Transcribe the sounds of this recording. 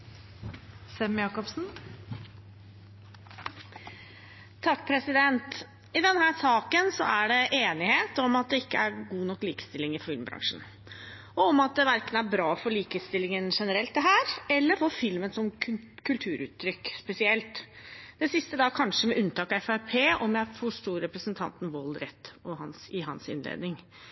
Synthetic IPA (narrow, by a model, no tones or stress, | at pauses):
sɛmjɑːkɔpsn̩ | t̪ʰɑkːpʰɾɛsɪd̪ɛnt̪ | ɪd̪ɛnhæːsɑːkənsɔ̰æɖɛʔeːnɪheːt̪ɔmɑt̪̚d̪ɛɪkːəæɾɡuːnɔkːliːkə̥st̪ɪlɪŋɪfɪlmbɾɑ̰ŋʂn̩ | ɔɔmɑt̪̚d̪ɛʋæɾkənæɾbɾɑːfɔɾɭiːkəst̪ɪlːɪŋənʂɛnəɾɛlt̪̚d̪ɛɦæːɾɛlːəɾfɔɾfɪlmənsɔm | kʰʉlt̪ʰʉːɾʔʉ̰ːt̪ʰːɾʏkːspɛsɪɛlt̪d̪̥ɛsɪst̪əd̪ɑːkʰɑnʂəmɛʔʉnt̪ʰɑːkɑɛfæɾpʰeːɔmjæɪfɔʂt̪uːɾɾɛpɾəsənt̪ʰɑ̰nt̪n̩ʋɔlɾɛt̪ːɔhɑnsɪɦɑ̰nsɪ̰nlḛːd̪nɪŋ